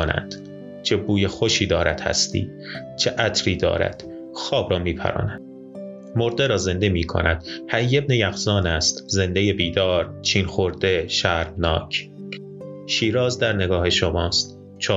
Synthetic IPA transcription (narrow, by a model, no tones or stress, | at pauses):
næ̰nd̪̥ | t͡ʃʰebuːjexoʃiːd̪ɒːɾæd̪̥hæ̰st̪ḭː | t͡ʃʰeʔæt̪ʰɾiːd̪ɒ̰ːɾæ̰d̪̥ | xɒːbɾɒːmiːpʰæ̰ɾɒ̰ːnæd̪̥ | moɾd̪eɾɒːze̞nd̪e̞miːkʰo̰nʔæd̪̥hæijːebnejæɣzɒːnæst̪ze̞nd̪ejebiːd̪ɒːɾt͡ʃʰiːnxoɾd̪e̞ʃæɾmnɒːcʰ | ʃiːɾɒːzd̪æɾne̞ɡɒːhe̞ʃomɒːst̪ | t͡ʃʰɒː